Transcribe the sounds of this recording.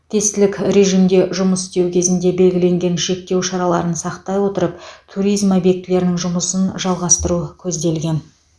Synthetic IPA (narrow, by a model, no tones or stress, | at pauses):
t̪ʰe̞st̪ɪlɪkʲɾe̞ʒijmd̪e̞ʒʊməsst̪e̞wkʲʰe̞zɪnd̪e̞be̞lɡʲɪle̞ŋɡʲe̞nʃe̞k̚t̪e̞wʃɑɾɑlˠɑɾənsɑqt̪ɑjwo̞t̪əɾəp̚t̪ʰuɾijzmobjek̚t̪ɪle̞ɾɪnɪŋʒʊməsənʒɑlˠʁɑst̪əɾukʲʰɵzd̪e̞lɡʲe̞n